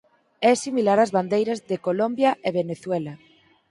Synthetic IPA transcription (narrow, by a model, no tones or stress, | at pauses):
ɛsimilaɾɐzβand̪ejɾɐzðekolombjɐʔeβeneθwɛlɐ